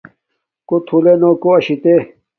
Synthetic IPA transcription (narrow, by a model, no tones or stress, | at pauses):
kot̪ʰulenokoɐɕit̪e